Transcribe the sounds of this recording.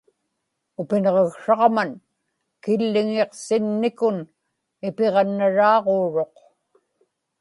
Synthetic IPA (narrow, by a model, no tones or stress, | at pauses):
ʊpɪnʁeɣʂɑʁman | kɪlːɪŋeqsɪnːɪkʊn | ɪpeʁɑnːaɻɑːʁoːɻo̞q